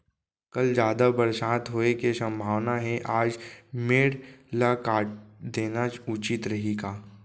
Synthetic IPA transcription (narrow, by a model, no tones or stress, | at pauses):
kɐld͡ʒjaːd̪abɐɾʃaːt̪ɦoːekesɐ̃mbʱaːʋnaɦɛ̃ʔaːd͡ʒmeːɽlakaːʈ̚d̪eːnat͡ʃʊt͡ʃɪt̪ɾɐɦeɡaː